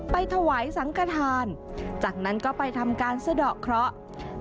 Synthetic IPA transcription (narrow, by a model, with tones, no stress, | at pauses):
pa˧jt̪ʰa˧waː˩˦jsa˩˦ŋka˧t̪ʰaː˧nt͡ɕaː˨˩k̚na˦˥nkɔː˥˩pa˧jt̪ʰa˧mkaː˧nsa˧dɔː˨˩kʰɾɔ˦˥ʔ